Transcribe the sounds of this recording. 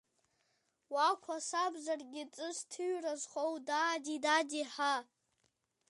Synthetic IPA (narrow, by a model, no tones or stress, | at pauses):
wakʷʰasabzarɡʲɪt͡sʼɨstʰɨɥrazχowdaːdidadiħa